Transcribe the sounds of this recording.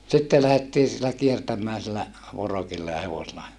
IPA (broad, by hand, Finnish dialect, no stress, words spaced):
sitːe læhetːiː silːæ kiertæmˑæː silːæ ʋorokilːɑ jɑ heʋoselɑ